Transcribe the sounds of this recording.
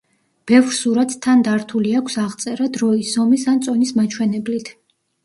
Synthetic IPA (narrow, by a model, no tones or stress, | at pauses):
b̥ɛvɾsuɾat̪ʰːand̪aɾt̪ʰuliakʷʰsaʁt̪sʼɛɾad̪ɾɔisɔmisant̪sʼɔnismat͡ʃʰwɛnɛblit̪ʰ